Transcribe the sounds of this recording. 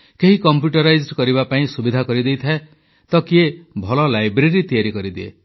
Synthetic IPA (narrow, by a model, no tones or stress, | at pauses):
keɦikɔmpjuʈɔɾajd͡ʒɖkɔɾibapaĩsubid̪ʱakɔɾid̪ejt̪ʰae | t̪ɔkiebʱɔlɔlajbɾeɾit̪ijaɾikɔɾid̪iḛ